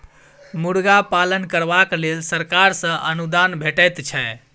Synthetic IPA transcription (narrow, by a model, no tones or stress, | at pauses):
muɽɡapalənkəɾbaklelsəɾkaɾsə̃ʔənud̪anbʱeʈəjt̪t͡ʃʰɛ